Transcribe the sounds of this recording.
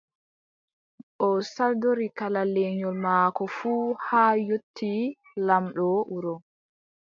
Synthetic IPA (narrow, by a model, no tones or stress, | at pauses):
ʔɔsaldoɾikalalɛɲɔlmaːkɔfuːhaːjotʰːi | lamɗɔʔuɾɔ